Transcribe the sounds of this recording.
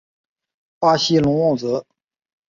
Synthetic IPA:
pa˥ɕi˥lʊ˧˥ŋwɑ˥˩ŋt͡sɤ˧˥

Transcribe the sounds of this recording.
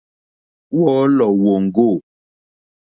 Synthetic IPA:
wɔ˦lɔ˨wo˨ŋ̩˨ɡo˦˨

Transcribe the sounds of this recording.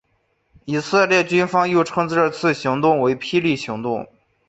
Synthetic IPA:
i˨˩sə˥˧ljɛ˥˩t͡ɕy˥nfɑ˥ŋjo˥˩ʊʈ͡ʂʰɤ˥ŋt͡sɹ̩˧˥ʈ͡ʂə˥˧t͡sʰɹ̩˥˩ɕi˧˥ŋt̪ʊ˥˩ŋwe˧˥ɪpʰi˥li˥˩ɕi˧˥ŋt̪ʊ˥˩ŋ

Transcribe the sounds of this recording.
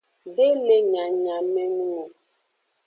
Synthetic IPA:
be˦le˦ɲa˨ɲa˨mɛ˦nu˦ŋo˨

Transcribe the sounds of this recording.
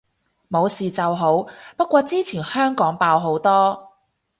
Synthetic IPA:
mo˨˧wsiː˨t͡sɐ˨wɦo˨˥wpɐ˥t̚kːʷɔː˧t͡siː˥t͡sʰiː˨˩nhœː˥ŋkɔː˨˥ŋpaː˧wɦo˨˥wt̪ɔː˥

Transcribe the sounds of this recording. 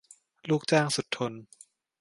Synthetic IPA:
luː˥˩k̚t͡ɕaː˥˩ŋsu˨˩t̪ʰːo˧n

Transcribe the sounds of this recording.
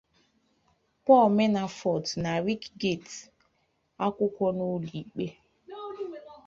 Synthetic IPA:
pɔ˦˨lme˦na˨fɔ˨tna˨ɾi˦kɡe˦˨t | a˦kʷʊ˦kʷɔ˦no˦li˨k͡pe˦

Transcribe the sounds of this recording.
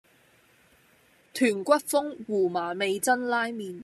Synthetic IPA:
t̪ʰyː˨˩nkʷɐ˥t̚fʊ˥ŋwuː˨˩maː˨˩me˨˧jt͡sɐ˥nlaː˥jmiː˨˧n

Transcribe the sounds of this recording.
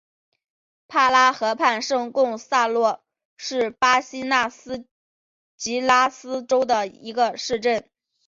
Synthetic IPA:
pʰa˥˩la˥xɤ˧˥pʰa˥˧nʂɤ˥˧ŋkʊ˥˧ŋsa˥˧lwɔ˥˩ | ʂɻ̩˥˩pa˥ɕi˥na˥˩sɹ̩˥ | t͡ɕi˧˥la˥sɹ̩˥ʈ͡ʂo˥ʊd̪ə˨ḭ˧˥ɡə˧ʂɻ̩˥˧ʈ͡ʂə˥˩n

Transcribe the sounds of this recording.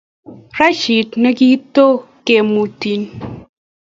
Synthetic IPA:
ɾa˦ʃi˨tne˦ɡi˦to˦ke˨mu˨ti˨n

